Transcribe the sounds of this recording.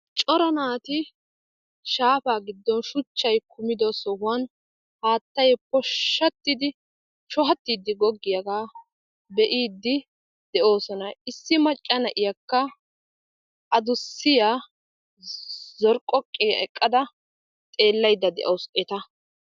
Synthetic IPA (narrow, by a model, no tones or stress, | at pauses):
t͡ʃʼɔɾɐnaːt̪ɪ | ʃaːfaːɡɪd̪ːɔnʃʊt͡ʃːɐjkʊmɪd̪osɔhʊwɐn | haːt̪ːɐjpɔʃːɐt̪ːɪd̪ɪ | ʃɔɦɐt̪ːiːd̪ːɪɡɔɡːɪjɐɡaː | bɛʔiːd̪ːɪ | d̪̥ɛʔo̞ːsɔnɐɪsːɪmɐt͡ʃʼːɐnɐʔɪjɐkːɐ | ʔɐd̪ʊsːɪjaː | zɔɾkʼːɔkʼːɪjɐ̰ɛkʼːɐd̪ɐ | t̪ʼe̞ːlːɐjd̪ːɐd̪ɛ̰ʔɐwsɛt̪ɐ